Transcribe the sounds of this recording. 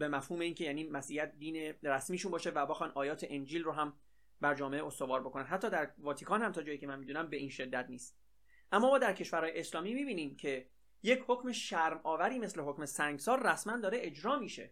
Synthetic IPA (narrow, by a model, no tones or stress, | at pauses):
be̞mæfhuːme̞iːncʰejæːniːmæsʔijæt̪̚d̪iːneɾæsmiːʃunbɒːʃevæbexɒnʔɒːjɒːt̪ʰeʔend͡ʒiːlroɦæm | bæɾd͡ʒɒːme̞ʔeost̪o̞vɒːɾbo̞kʰo̞nænɦæt̪ːɒːd̪æɾvɒːt̪ʰikʰɒːnhæmt̪ʰɒːd͡ʒɒːjiːcʰe̞mænmiːd̪unæmbe̞ʔiːnʃe̞d̪ːæt̪niːst̪ | ʔæmːɒːmɒːd̪æɾcʰe̞ʃvæɾhɒːjeeslɒːmiːmiːbiːniːmcʰe̞ | je̞cʰhocme̞ʃæɾmɒːvæɾiːme̞sle̞ɦo̞cme̞sæŋɡsɒːɾræsmænd̪ɒːɾeʔed͡ʒɾɒːmiːʃe̞̰